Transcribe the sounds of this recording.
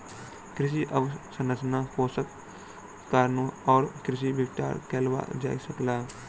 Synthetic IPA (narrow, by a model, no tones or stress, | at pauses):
kɾɪʃ̬iʔəʋsənəsnapoːsəkː | aɾnoɔːɾkɾɪʃ̬ibɪkʈa̰ːɾkeːlʋa̰d͡ʒa̰ːisəklaː